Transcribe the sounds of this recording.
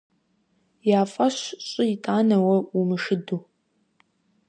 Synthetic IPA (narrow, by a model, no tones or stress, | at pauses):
jaːfʼɐɕɕʼɪitʼaːnɐwɐumɨʂɨduː